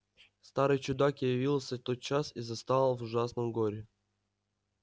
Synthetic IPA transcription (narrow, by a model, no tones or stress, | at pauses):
st̪aɾɨjt͡ɕʊd̪akjɪvʲilˠsʲət̪ot̪̚t͡ɕasizɐst̪alˠvʊʐasnɨmɡoɾʲɪ